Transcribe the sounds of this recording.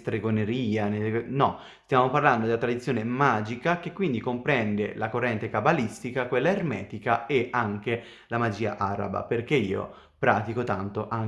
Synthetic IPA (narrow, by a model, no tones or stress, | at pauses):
st̪ɾeɡoneɾiːanelnɔ | st̪jaːmoparland̪od̪elat̪ɾad̪it̪sːjoːnemaːd͡ʒikak̟ekːwind̪ikompɾɛnd̪elakorːɛnt̪ekabalist̪ikakwelːaermɛːt̪ikaeʔaŋke | lamad͡ʒiːa̰ʔaɾa̰ba̰perkeiːo̰ | pɾaːt̪ikot̪ant̪oʔaŋ